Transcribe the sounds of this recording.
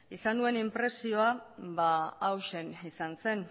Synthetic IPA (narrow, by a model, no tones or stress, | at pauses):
isanue̞nimpɾe̞sio̞aβaːwʃe̞nisanse̞n